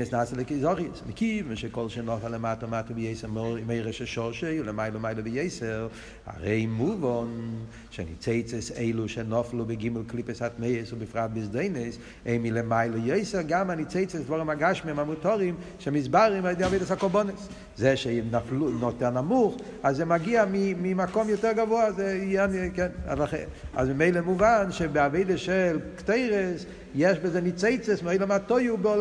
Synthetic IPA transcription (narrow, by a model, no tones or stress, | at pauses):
ɛsnasəlˠɪkəzɔχjəsmɪkivmɛʃekɔlˠʃenɔfalˠəmaːtəmaːtəbɪjeɪsəmeɪʁɛʃɛʃɔʃelˠəmaɪlˠəmaɪlˠəbɪjeɪsɛʁ | a̰ʁeɪmuvɔn | ʃɛnɪt͡seɪt͡səseɪlˠuʃɛnɔflˠubɪɡɪməlˠklɪpəsatmeɪəsʊbɪfʁat̚bɪsdeɪnəs | eɪmilˠəmaɪlˠəjeɪsɛʁɡamanit͡seɪt͡səsdvɔʁɪmaɡaʃmɪmamutɔʁɪmʃɛmɪzbaʁɪmadɪaveɪdəsakɔlbɔnəs | zeʃenaflunɔtɛʁnamuχ | azzɛmaɡiamɪmɪmakɔmjotɛʁɡavoazeɛnkɛna̰daχa̰zbɪmeɪlˠəmuvanʃebɪaveɪdəʃɛlˠkteɪʁəs | jɛʃbɛzɛnɪt͡seɪt͡səsmɪoɪlɔmatoɪubɪɔl